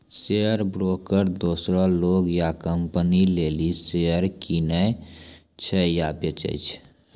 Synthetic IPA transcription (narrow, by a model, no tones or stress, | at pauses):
seəɾbɾoːkəɾd̪oːsɾɔ̃loːɡjakəmpənileːliseəɾkinə | t͡ʃʰɛjapət͡ʃə̰t͡ʃʰ